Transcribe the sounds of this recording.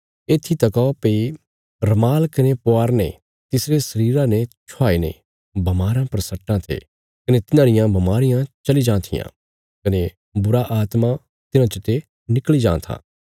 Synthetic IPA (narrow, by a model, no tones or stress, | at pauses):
eːt̪ʰit̪ɐkɔpei | ɾɐmaːlkɐnepʊaːɾnḛ̃ | t̪ɪsɾesɐɾiːɾãnet͡ʃʰʊaːinḛ̃ | bɐmaːɾãpɐɾsɐʈːãt̪ʰḛ | kɐnet̪ɪnãːɾɪjãbʱɐmaːɾɪjãt͡ʃɐlid͡ʒãːt̪ʰɪ̰jã̰ | kɐne | bʊɾaʔaːt̪ma | t̪ɪnãt͡ʃʊt̪e | nɪklid͡ʒã̰ːt̪ʰa̰ː